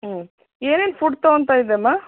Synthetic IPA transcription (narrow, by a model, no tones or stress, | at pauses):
eːnenfʊɽt̪ont̪aːɪðemaː